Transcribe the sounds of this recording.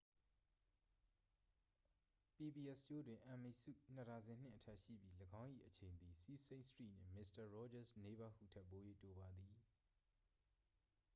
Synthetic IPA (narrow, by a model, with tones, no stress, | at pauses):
pi˨bi˨ʔɛ˦˨st͡ɕo˦dwɪ̃˨ʔã˨mi˨sṵ˦˨n̥ə˨ta˨zɪ̃˨n̥ɪ̰̃˦˨ʔətʰɛ˦ʔʃḭ˦˨bji˦ləɡã˦ʊ̃ʔḭ˦˨ʔət͡ɕʰẽ˨ɪ̃nd̪i˨si˦sẽ˦nsə̥tḭ˦˨n̥ɪ̰̃˦˨mɪ˦sta˨ɹɔ˦d͡ʑa˦˨sne˦ba˦hṵ˦˨tʰɛ˦ʔpːo˨˦jḛ˦˨to˨ba˨d̪i˨